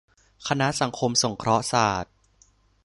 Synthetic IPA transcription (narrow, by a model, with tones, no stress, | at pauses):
kʰa˧na˦˥ʔsa˩˦ŋkʰo˧mso˨˩˦ŋkʰɾɔ˦˥ʔsaː˨˩t̪̚